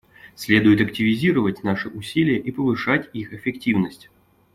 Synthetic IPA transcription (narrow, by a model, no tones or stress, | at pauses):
sʲlʲe̞d̪ʊjɪt̪ɐktʲɪvʲɪzʲiɾəvətʲnaʂɨʔʊsʲilʲɪjəʔipəvɨʂatʲixɪfʲɪktʲivnəsʲtʲ